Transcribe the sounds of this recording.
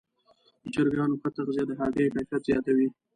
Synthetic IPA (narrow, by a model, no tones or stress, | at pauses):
d̪ət͡ʃəɾɡɑnoxət̪aqzed̪əɦɑɡekafjat̪zjɑt̪awi